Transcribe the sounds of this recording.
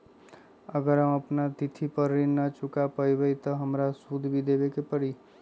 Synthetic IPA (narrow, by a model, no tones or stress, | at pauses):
əɡəɾɦə̃mɐpnat̪ɪt̪ʰipəɾːinat͡ʃʊkapəibəit̪ɔɦɐmɾasuːd̪ʱbʱid̪eːbekepəɽiː